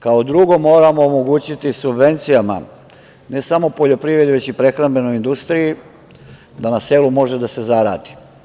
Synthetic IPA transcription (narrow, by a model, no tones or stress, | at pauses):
kaod̪ɾuɡo̞mo̞ːɾamo̞ːmo̞ɡut͡ɕit̪isubʋe̞nt̪sijama̰ | ne̞samo̞po̞ʎo̞pɾiːvɾe̞d̪iʋe̞t͡ɕipɾe̞xɾambe̞no̞jind̪ust̪ɾiji | d̪anase̞ːlumo̞ʒed̪ase̞zaɾaːd̪i̥